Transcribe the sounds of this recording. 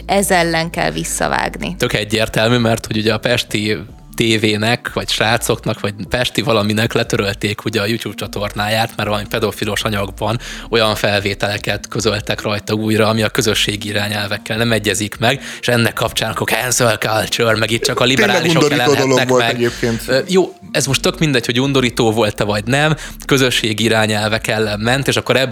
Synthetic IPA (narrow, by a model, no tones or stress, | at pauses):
ɛzɛlːɛŋkɛ̰lvisːɒ̰va̰ːɡnḭt̪ø̞kɛɟːeːrt̪ɛlmymɛrt̪ho̞ɟuɟɛɒpɛʃt̪i | t̪eːveːnɛkʋɒcʃaːt̪so̞knɒkʋɒɟpɛʃt̪ivɒlɒminɛklɛt̪øɾø̞lt̪eːkʰuɟɛɒjuːcjuːp̚t͡ʃɒt̪o̞rnaːjaːt̪mɛrvɒlɒmipɛd̪ofilo̞ʃɒɲɒɡbɒno̞jɒɱfɛlveːt̪ɛlɛkɛt̪kø̞zø̞lt̪ɛkrɒjt̪ɒuːjrɒːmiɒkøzø̞ʃːeːɡiiɾaːɲɛlvɛkːɛlnɛmɛɟːɛzikmɛɡe̥ʃɛnːɛkːɒpt͡ʃaːnɒkokɛnzølkalt͡ʃørmɛɡiːt̪ːt͡ʃɒkɒlibɛɾaɛliʃokd̪oɾɛloːd̪oloɛkolmtɛɡɛɟeːp̚keːnt̪ːjoː | ɛzmoʃt̪ø̞kmind̪ɛcho̞ɟund̪o̞ɾiːt̪oːvo̞lt̪ːɛvɒɟnɛm | kø̞zø̞ʃːeːɡiiɾaːɲɛlvɛkɛlːɛmɛnt̪eːʃɒkːo̞ɾɛb